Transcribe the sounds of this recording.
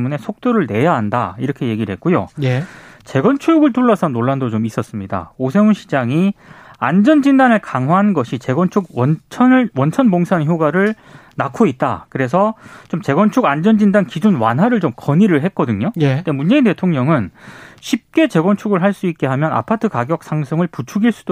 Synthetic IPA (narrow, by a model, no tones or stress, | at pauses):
mune̞sʰok̚t͈oɾɯɭne̞jaɦanda̰iɾʌkʰe̞je̞ɡiɭɦe̞̰t̚k͈ujo̰je | t͡ɕe̞ɡʌnt͡ɕʰuɡɯɭtuɭːʌsʰʌnoɭːandot͡ɕomis͈ʌs͈ɯmɲida̰osʰe̞ŋunɕʰid͡ʑaŋiand͡ʑʌnd͡ʑindanɯɭkaŋɦwaɦannɡʌɕʰit͡ɕe̞ɡwʌnt͡ɕʰuɡwʌnt͡ɕʰʌnwʌnt͡ɕʰʌnboŋsʰançjoɡaɾɯɭ | nakʰoit̚t͈a̰kɯɾe̞sʰʌt͡ɕomt͡ɕe̞ɡwʌnt͡ɕʰuɡand͡ʑʌnd͡ʑindankid͡ʑunwanɦwaɾɯɭt͡ɕomkʌɲiɾɯɭɦe̞t̚k͈ʌdɯɲojedemund͡ʑe̞inte̞tʰoŋɲʌŋɯnɕʰip̚k͈e̞t͡ɕe̞ɡʌnt͡ɕʰuɡɯɭɦaɭs͈uit̚k͈e̞ɦamjʌna̰pʰatʰɯkaɡjʌk̚s͈ʰaŋsʰʌŋɯɭput͡ɕʰuɡiɭs͈u̥do